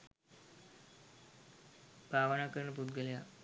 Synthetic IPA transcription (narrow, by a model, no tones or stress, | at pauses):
bʱaʋənakəɾɳəpud̪ɡəlja